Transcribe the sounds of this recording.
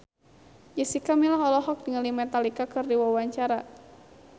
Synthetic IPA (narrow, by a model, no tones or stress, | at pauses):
d͡ʒəsikamilaɦɔlɔɦɔk̚diŋəlimɛt̪alikakɨrdiwawaɲt͡ʃaɾa